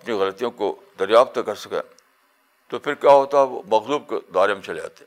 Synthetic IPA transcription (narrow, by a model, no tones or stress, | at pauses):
ɐpniɣɐlət̪ijõkod̪ɐɾjaːft̪kɐɾsɐkḛ̃ː | t̪opʰɪɾkjaːɦoːt̪aɦɛʋo̰mɐɣzuːb̚ked̪aːɾemẽt͡ʃɐled͡ʒa̰ːt̪eɛ̃